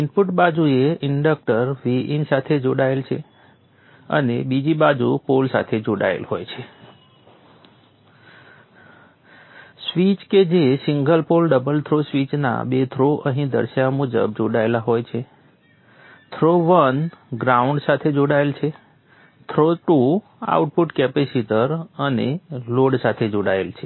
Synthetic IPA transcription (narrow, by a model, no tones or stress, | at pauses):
inpuʈbad͡ʒueɪɳɖək̚ʈəɾʋiinsat̪ʰed͡ʒoɽaelt͡ʃʰe | ə̰nebid͡ʒibad͡ʒupolsa̰t̪ʰed͡ʒoɽa̰ḛlɦojt͡ʃʰe | sʋit͡ʃked͡ʒesiŋɡəlpolɖəbəlt̪ʰɾosʋit͡ʃna̰bet̪ʰɾoʔə̰ɦĩd̪ə̰ɾʃjamud͡ʒə̰b̚d͡ʒoɽaelaɦojt͡ʃʰe | t̪ʰɾoʋənɡɾauɳɖsat̪ʰed͡ʒoɽaelt͡ʃʰe | t̪ʰɾoʈu | a̰uʈ̚puʈkɛpesiʈəɾəneloɖsat̪ʰed͡ʒoɽaḛlt͡ʃʰe